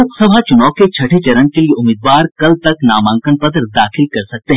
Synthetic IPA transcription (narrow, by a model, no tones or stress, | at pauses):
ʊqsəbʱat͡ʃʊnaːket͡ʃʰɐʈʰet͡ʃɐɾənkelieʊmiːd̪ʋaːɾkɐlt̪ɐknaːmãːŋkənpɐt̪ɾd̪aːxɪlkɐɾsɐk̚t̪eɦɛ̃